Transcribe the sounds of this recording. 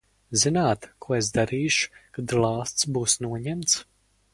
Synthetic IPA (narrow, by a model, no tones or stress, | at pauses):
zinaːt̪kuɔesd̪aɾiːʃu̥kad̪lˠɑːst̪sbuːsnuɔɲɛmt̪s